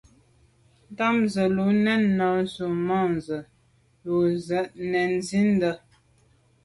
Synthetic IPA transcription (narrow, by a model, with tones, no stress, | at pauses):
n̩˦ta˦mzə˨lu˨˦nɛ˦˨nːɔ˨su˨mɔ˦˨nzə˨ | lu˨zə˨˦ʔnɛ˨nzi˦n̩˦də˦